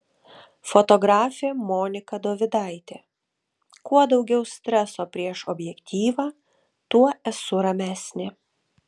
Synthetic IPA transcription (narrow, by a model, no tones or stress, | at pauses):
fɔt̪ɔɡɾɑːfʲeːmoːnʲɪkɐd̪oːʋʲɪd̪ɑˑɪt̪ʲeː | kuɔd̪ɒʊɡʲɛʊsʲt̪ʲɾʲɛsoːpʲɾʲiɛʃɔbʲjɛkt̪ʲiːʋɑː | t̪uɔɛsʊɾɐmʲæːsʲnʲɪ